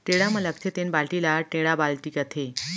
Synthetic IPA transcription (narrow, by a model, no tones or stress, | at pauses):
ʈeɽamələkt̪ʰet̪enbalʈilaʈeɽabalʈikət̪ʰe